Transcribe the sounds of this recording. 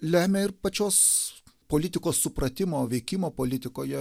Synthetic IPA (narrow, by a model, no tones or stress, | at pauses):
lʲæːmʲɛɪɾpɐt͡ʃʲoːspoːlʲɪt̪ʲɪkoːsːʊpɾɐt̪ʲɪmoːʋʲɛɪkʲɪmoːpoːlʲɪt̪ʲɪkoːjɛ